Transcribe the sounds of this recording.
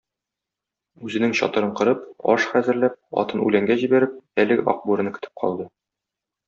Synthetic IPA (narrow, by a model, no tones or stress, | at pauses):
ʉzɘ̆nɘŋɕɒ̰t̪ɤ̆ɾɤɴqɤ̆ɾɤpɒ̰ʃχæzɘ̆ɾlæp̚ɒ̰t̪ɤnʉ̰læŋɡæʑibæɾɘp̚ælɘ̆ɡɘɒ̰q̚buɾɤ̆nɤkɵ̆t̪ɘ̥p̚qʰɒ̰lˠd̪ɤ